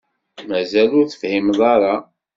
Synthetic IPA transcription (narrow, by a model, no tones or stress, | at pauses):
mæzælʊɾθə̥fhimðˤɑɾˤɑ